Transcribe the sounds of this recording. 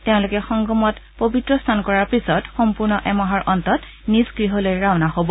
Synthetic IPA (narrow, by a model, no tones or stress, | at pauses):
teʊ̃lʊkɛxɔŋɡɔmɔtpobitɹɔstʰankɔɹaɹpisɔtxɔmpuɹnɔʔɛmaɦɔɹʔɔntɔt | nisɡɹiɦɔlojɹaʊnahobɔ